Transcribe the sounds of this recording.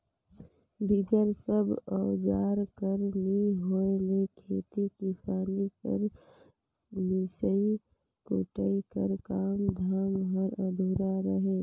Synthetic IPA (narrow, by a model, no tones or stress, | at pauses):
b̪ɪɡəɾsəbɔd͡ʒaːɾkəɾmiɦoelekʰeːt̪ikisaːnikə̰ɾ | misəi | ko̰ʈəikəɾkaːmd̪ʱaːmɦəɾəd̪ʱuɾaɾəɦeː